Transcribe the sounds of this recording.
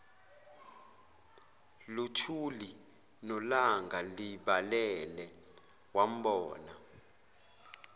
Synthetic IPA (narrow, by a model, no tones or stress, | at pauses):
lutʰuli | nɔlaŋɡaliɓalɛlɛ | wam̩ɓɔːna